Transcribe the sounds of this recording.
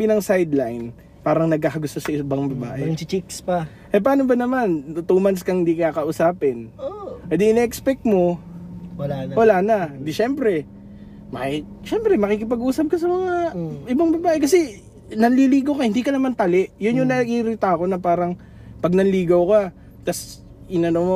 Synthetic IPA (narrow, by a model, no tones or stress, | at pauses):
binɐŋsajd̪lajn | paːɾɐŋnɐɡ̚kaːxɐɡʊst̪osɐʔɪbaŋbɐba̰ːʔɛt͡ʃikspɐ | ʔɐpɐaːnobɐnɐmant̪umant̪skɐŋhɪnd̪ikɪaːkɐʔʊsaːpɪnoʔɛd̪iɪnʔɛkspɛk̚t̪̚mo̞wɐawɐlaːnɐd̪ɪʃɛmpɾɛ | mɐki | ʃɛmpɾɛmɐkikɪpɐɡʔuːsɐb̚kɐsɐmɐŋaʔɪbaŋbɐbaːʔɛkɐsɛ | nɐnliliːɡokɐahɪnd̪iːkɐnɐmant̪ɐlɛʔjʊnjʊŋnɐʔiɾɪt̪aɐko̞nɐpaːɾɐŋ | pɐɡ̚nɐnliːɡɐwka | t̪ɐs | ʔɪnɐnomo